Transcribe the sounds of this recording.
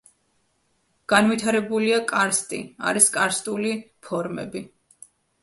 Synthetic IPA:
ɡ̥anwit̪ʰaɾɛbuliakʼaɾst̪ʼḭa̰ɾiskʼaɾst̪ʼuli | pʰɔɾmɛ̰bi

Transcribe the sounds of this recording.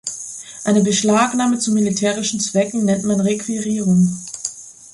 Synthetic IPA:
ʔaɪnəbəʃlaːknaːmət͡sumilitʰeːʁɪʃn̩t͡sv̥ɛkŋ̩nɛntmanʁekv̥iʁiːʁʊŋ

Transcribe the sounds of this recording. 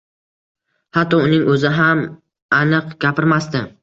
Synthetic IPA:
hat̪ːɒʊnɪŋɵzɪɦam | anɨqɡʲapʰɪɾmast̪ɪ

